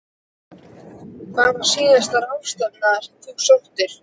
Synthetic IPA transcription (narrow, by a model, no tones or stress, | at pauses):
kʰvavaɾ̥siːðast̪aɾawfst̪anaɾ̥t̪ʰuwsawht̪ɪɾ̥